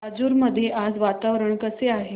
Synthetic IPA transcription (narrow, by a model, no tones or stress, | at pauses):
ad͡zuːɾməd̪ʱːjeʔad͡zʋat̪aʋɾəɳkəseaɦe